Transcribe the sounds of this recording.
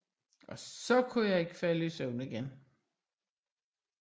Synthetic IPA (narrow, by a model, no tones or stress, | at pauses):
ʔɒ̽sɒ̽kʰujɑ̈ɪe̝ɡ̥ə̥fælisœʊnəiɡ̥en